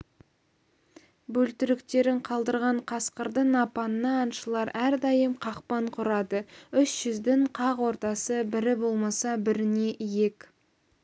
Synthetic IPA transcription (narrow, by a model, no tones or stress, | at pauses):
bɵlt̪ɪɾɪkt̪e̞ɾɪɴqʰɑlˠd̪əɾʁɑɴqʰɑsqəɾd̪ənɑpɑnənɑːnʃəlˠɑɾæɾd̪ɑjəmqʰɑqpɑɴqʰʊɾɑd̪əʏʃʒ̥ʏzd̪ɪɴqʰɑqwo̞ɾt̪ɑsəbɪɾɪbo̞lˠmɑsɑbɪɾɪne̞ʔije̞k